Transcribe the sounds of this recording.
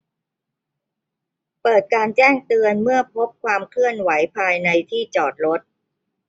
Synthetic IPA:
pɤː˨˩t̪̚kaː˧nt͡ɕɛː˥˩ŋt̪ɯ˧ənmɯ˥˩əpʰo˦˥p̚kʰwaː˧mkʰlɯ˥˩ənwa˩˦jpʰaː˧jna˧jt̪ʰiː˥˩t͡ɕɔː˨˩t̪̚ɾo˦˥t̪̚

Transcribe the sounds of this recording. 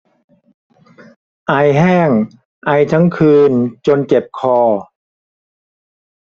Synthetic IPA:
ʔa˧jɦɛː˥˩ŋ | ʔa˧jt̪ʰa˦˥ŋkʰɯː˧nt͡ɕo˧nt͡ɕe˨˩p̚kʰɔː˧˩

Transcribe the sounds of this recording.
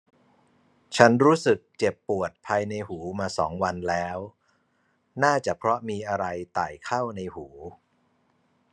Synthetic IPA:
t͡ɕʰa˦˥nɾuː˦˥sɯ˨˩k̚t͡ɕe˨˩pːu˨˩ət̪̚pʰaː˧jna˧jhuː˩˦maː˧sɔ̰ː˩˦ŋwa˧nlɛː˦˥w | naː˥˩t͡ɕa˨˩pʰɾɔ˦˥miː˧ʔa˧ɾa˧jt̪aː˨˩jkʰa˥˩wna˧jhuː˩˦

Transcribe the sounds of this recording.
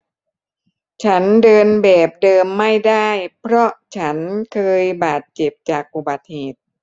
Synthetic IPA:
t͡ɕʰa˦˥ndɤː˧nbɛː˨˩p̚dɤː˧mːa˥˩jda˥˩jpʰɾɔ˦˥ʔt͡ɕʰa˦˥nkʰɤː˧jbaː˨˩t̪̚t͡ɕe˨˩p̚t͡ɕaː˨˩k̚ʔu˨˩ba˨˩t̪̚heː˨˩t̪̚

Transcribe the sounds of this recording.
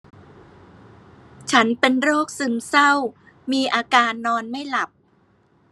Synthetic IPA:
t͡ɕʰa˦˥npe˧nɾoː˥˩k̚sɯ˧msa˥˩w | miː˧ʔaː˧kaː˧nːɔː˧nma˥˩jla˨˩p̚

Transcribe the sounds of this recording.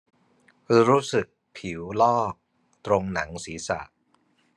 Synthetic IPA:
ɾuː˦˥sɯ˨˩k̚pʰi˩˦wlɔː˥˩k̚ | t̪ɾo˧ŋna˩˦ŋsiː˩˦sa̰˨˩ʔ

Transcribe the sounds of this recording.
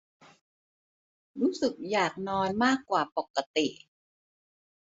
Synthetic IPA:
ɾuː˦˥sɯ˨˩k̚jaː˨˩k̚nɔː˧nmaː˥˩kːwaː˨˩po˨˩kːa˧t̪i˨˩ʔ

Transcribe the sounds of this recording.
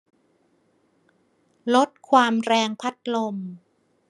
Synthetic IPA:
lo˦˥t̪̚kʰwaː˧mɾɛː˧ŋpʰa˦˥t̪̚lo˧m

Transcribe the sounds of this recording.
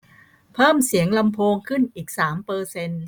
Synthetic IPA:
pʰɤː˥˩msi˩˦əŋla˧mpʰoː˧ŋkʰɯ˥˩nʔiː˨˩k̚saː˩˦mpɤː˧se˧n

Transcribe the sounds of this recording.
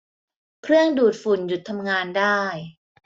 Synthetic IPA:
kʰɾɯ˥˩əŋduː˨˩t̪̚fu˨˩nju˨˩t̪ʰːa˧mŋaː˧ndaː˥˩j

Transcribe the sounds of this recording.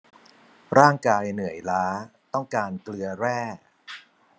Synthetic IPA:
ɾaː˥˩ŋkaː˧jnɯ˩˦əjlaː˦˥t̪ɔ˥˩ŋkaː˧nklɯ˧ɐɾɛː˥˩

